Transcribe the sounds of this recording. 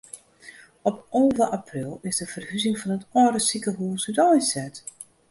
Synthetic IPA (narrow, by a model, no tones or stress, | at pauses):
ɔpɔːvəʔaprilˠɪzdəfərhyzɪŋfɔnətɔəɾəsikəɦuəsytɔjsɛt